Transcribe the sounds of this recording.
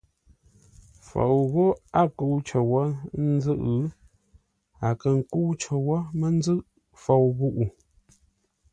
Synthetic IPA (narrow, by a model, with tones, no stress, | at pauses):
fo̰˨wɣo˦a˦ku˦wt͡ʃə˨wa˦n̩˦zə˦ʔ | a˨kə˨ŋ̩˨ku˦t͡ʃə˨wɔ˦mə˦n̩˦zə˦ʔ | fo˨wɣu˦ʔu˨